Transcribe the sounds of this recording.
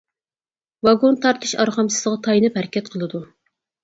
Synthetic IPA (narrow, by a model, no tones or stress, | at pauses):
vɑɡont̪ʰɑɾt̪ʰɨʃɑɾχɑmsɨz̥ʁɑt̪ʰɑjinɨphæɾɪkʲʰɛt̪qʰəlˠɨd̪u